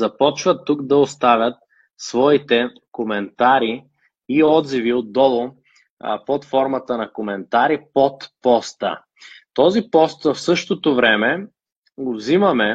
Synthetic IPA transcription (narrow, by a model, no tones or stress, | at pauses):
zɐpɔt͡ʃvət̪ːukd̪ɐost̪avʲjɐt̪̚ | svɔit̪ɛ | komɛnt̪aɾi | iɔd̪ziviod̪dːɔlˠo | pot̪fɔɾmɐt̪ənɐkomɛnt̪aɾipot̪pɔst̪ə̰ | t̪ɔzipɔst̪vəfsɤʃt̪ot̪ovɾɛmɛ | ɡovzimɐmɛ